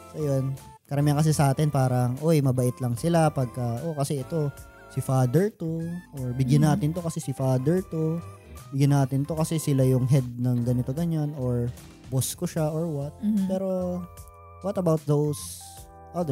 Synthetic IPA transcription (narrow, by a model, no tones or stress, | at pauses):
sojon | kɐɾɐmiɐŋkɐs̬ɛsɐʔaːt̪ɪnpaːɾɐŋʔojmɐbɐʔɪt̪lɐŋsɪlapɐɡ̚kɐʔokɐsɛʔɛt̪o̞ | sɪfaːd̪ɛɹt̪oʔoɹbɪɡjɐnːaːt̪ɪnt̪o̞kɐsɛsɪfaːd̪ɛɹt̪o | bɪɡjanaːt̪ɪnt̪o̞kɐsɛsɪlajʊŋɦɛd̪̚nɐŋɡɐnɪt̪o̞ɡɐɲanoɹ | boskoʃaʔoɹwɐt̪̚pɛːɾo̞ | wɐt̪ɐbawt̪̚ðows | ʔad̪